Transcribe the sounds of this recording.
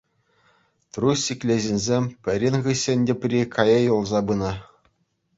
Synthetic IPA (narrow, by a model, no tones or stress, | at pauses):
t̪rusʲikʲlʲeʑinʲzʲemʲpʲɘ̆ɾʲinʲʁɯɕʲɘ̆nʲdʲɘ̆pʲrʲikʰɑjɤjulˠzɑbɯnɤ